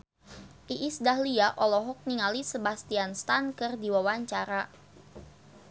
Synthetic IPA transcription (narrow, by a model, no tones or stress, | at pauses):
ʔiʔisdahliaʔɔlɔɦɔk̚niŋalisəbast̪ianst̪ankɨrdiwawaɲt͡ʃaɾa